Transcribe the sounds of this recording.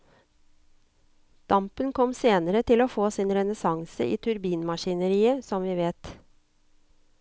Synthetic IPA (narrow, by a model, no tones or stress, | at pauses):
d̪̥ɑmpənkʰɔmseːnəɾət̪ʰɪloːfoːsiːnɾɛnəsɑŋsə̰ʔḭːt̪ʰʉɾbiːnmɑʃɪnəɾiːəsɔmʋiːʋeːt̪